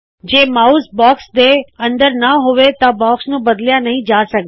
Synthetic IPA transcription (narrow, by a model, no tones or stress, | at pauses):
d͡ʒeːmaːuːsbɔːksd̪eɐ̃nd̪əɾnɐɦʊʋet̪abɔːksnũbɐd̪lijãnɐɦĩd͡ʒaːsɐɡ̪